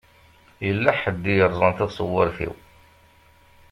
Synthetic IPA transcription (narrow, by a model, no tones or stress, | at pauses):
jəlːaħəd̪ːijəɾˤzˤɑnt̪æðsˤəwːəɾfḭw